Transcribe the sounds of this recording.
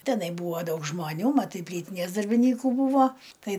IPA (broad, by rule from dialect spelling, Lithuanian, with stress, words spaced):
tʲɛˈnɐɪ ˈbuːʋɐ ˈdɐʊk ʒmɐˈnʲuː mɐˈtɐɪ ˈpʲlʲiːtʲɪnʲeːs dɐrʲbʲɪnʲˈiːkuː ˈbuːʋoː ˈtɐɪ